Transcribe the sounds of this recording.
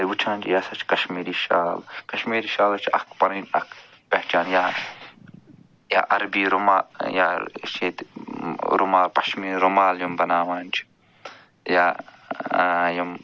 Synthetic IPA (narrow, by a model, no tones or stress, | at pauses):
lwut͡ʃʰaːnd͡ʒijaːsɐt͡ʃʰkɐʃmiːɾiːʃa̰ːlkɐʃmiːɾiːʃaːlɐt͡ʃʰɐkʰpɐniːnɐ̰kʰ | pɐht͡ʃaːnjaː | ja̰ːʔɐɾbiːɾomaːja̰ːt͡ʃʰeːt̪ | ɾomaːlpɐʃmiːɾomaːljumbɐnaːʋaːnt͡ʃʰ | jaː | jum